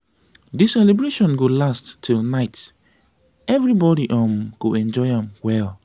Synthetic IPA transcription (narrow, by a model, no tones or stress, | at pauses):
disɛlebɹeʃɔ̃nɡolastːʰilnaɪt | ɛvɹibɔɾiʔɔ̃mɡ̥oɛ̃nd͡ʒɔɪãmwɛl